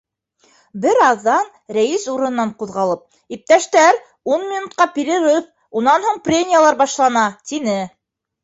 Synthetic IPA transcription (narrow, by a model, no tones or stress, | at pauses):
bɘɾɑðːɑn | ɾæjisuɾɤ̆ɤ̆nːɑɴquðʁɑlˠɤp̚ | ip̚t̪æʃt̪æɾ | unmʲinut̪̚qɑpʲiɾʲiɾɘp̚ | unːɑnhuɴprʲemʲijalˠɑɾbɑʃlˠɑnɑt̪inɘ